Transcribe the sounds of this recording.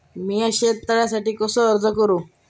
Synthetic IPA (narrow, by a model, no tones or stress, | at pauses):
miːaɕet̪əɭjasaʈiːkɔsɔəɾd͡zəkəɾũː